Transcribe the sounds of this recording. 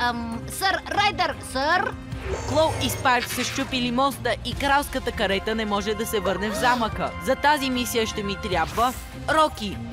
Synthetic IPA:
səɾːɛd̪əɾsəɾ | klˠɔwispajɾt̪səʃt͡ʃupilimɔst̪əʔikɾawˠskət̪əkɐɾɛt̪ənɛmɔʒɛd̪ɐsɛvɤɾnɛvzaməkəzɐt̪azimisijəʃt̪ɛmit̪ɾʲjabvə | ɾɔki

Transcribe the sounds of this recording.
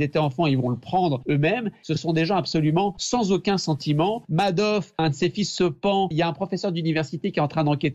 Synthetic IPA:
et̪ɛɑ̃fɑ̃ilvɔ̃ləpχɑ̃d̪ʁømɛmsəsɔ̃d̪eʒɑ̃apsɔlymɑ̃sɑ̃zokʲɛ̃sɑ̃t̪imɑ̃mad̪ɔfɛ̃d̪əsefisːəpɑ̃iljaɛ̃pχɔfɛsœʁd̪ynivɛʁsit̪ekʲiɛt̪ɑ̃t̪χɛ̃d̪ɑ̃ket̪

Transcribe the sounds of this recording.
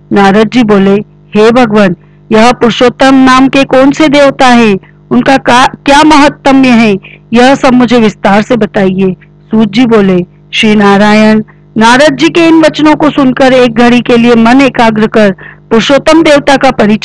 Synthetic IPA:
naːɾaːd̪d͡ʒiboːle | heːbʱɐɡʋən | jɐɦpʊɾʃoːt̪əmnaːmkekɔːnsed̪eːʋt̪aɦɛː | ʊnkakakjaːmɐɦət̪ːəmjeɦɛ̃jɐɦsɐbmʊd͡ʒʱeʋɪst̪aːɾsebɐt̪aːieː | suːt̪̚d͡ʒiboːle | ʃɾinaːɾaːjənː | aːɾaːd̪̚d͡ʒikeɪnʋɐt͡ʃnõkosʊnkəɾeːk̚ɡʱɐɽikeliemɐneːkaːɡɾəkəɾpʊɾʃoːt̪əmd̪eːʋt̪akapɐɾɪt͡ʃ

